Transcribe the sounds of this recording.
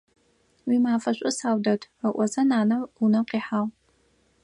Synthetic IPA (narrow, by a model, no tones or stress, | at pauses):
wiːmaːfɐɕʷʼʊsaːwdɐtʰəʔʷɔzɐnaːnɐmunɐmqiːħaːʁ